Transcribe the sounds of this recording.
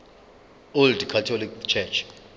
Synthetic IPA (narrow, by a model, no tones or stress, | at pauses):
oldkʰatʰɔlikt͡ʃʰɛt͡ʃʰ